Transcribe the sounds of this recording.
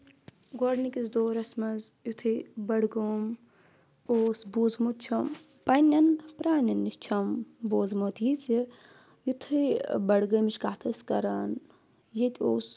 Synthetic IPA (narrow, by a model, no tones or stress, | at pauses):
ɡoɽnikizd̪oːɾɐsmɐzjut̪ʰɨbɐɽɡom | oːsbuːzmut̪̚t͡ʃʰɐm | pɐnʲːɐnpɾaːnɐnːist͡ʃʰɐmboːzmot̪jisi | jut̪ʰɨbɐɽɡəːmit͡ʃkaːt̪ʰɐskɐɾɐn | jit̪ʲoːs